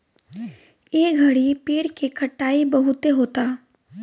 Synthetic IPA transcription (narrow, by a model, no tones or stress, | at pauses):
jeːɡʱɐɽipeːɽkekʰɐʈːaːibɐɦʊt̪eɦoːt̪aː